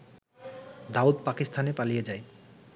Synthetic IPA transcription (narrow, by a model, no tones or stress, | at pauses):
d̪aud̪pakist̪ʰanepalijed͡ʑae